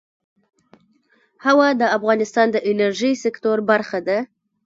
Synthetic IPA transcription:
hawad̪əafɣɑnɪst̪ɑnd̪əʔɪnaɾʒisɪkt̪oɾbaɾxad̪a

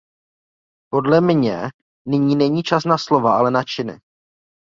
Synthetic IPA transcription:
po̞dlɛmɲɛ | nɪɲiːnɛɲiːt͡ʃasnaslo̞vaʔalɛnat͡ʃɪnɪ̰

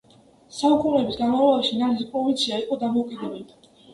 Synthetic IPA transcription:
saukʼunɛbisɡanmavlɔbaʃinaɾispʼɾɔvint̪sʰiaiqʼɔd̪amɔukʼid̪ɛbɛli

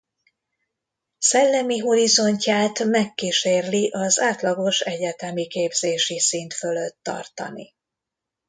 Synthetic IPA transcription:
sɛlːɛmiɦo̞ɾizo̞ɲcaːt̪mɛkːiʃeːrliʔɒzaːt̪lɒɡo̞ʃɛɟɛt̪ɛmikeːbzeːʃisint̪fø̞løt̪ːɒ̰rt̪ɒ̰nḭ

